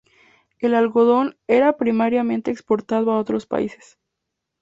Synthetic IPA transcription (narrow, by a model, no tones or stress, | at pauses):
e̞lalɣo̞ðo̞ne̞ɾapɾimaɾjamẽ̞nt̪eːkspo̞ɾt̪að̞oao̞t̪ɾo̞spa̰ise̥s